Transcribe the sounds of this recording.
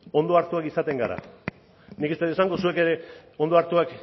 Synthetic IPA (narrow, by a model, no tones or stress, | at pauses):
o̞nd̪o̞aɾt̪uakisat̪e̞ŋɡaɾa̰ | nikest̪eesaŋɡosue̞ke̞ɾe̞o̞nd̪o̞aɾt̪uak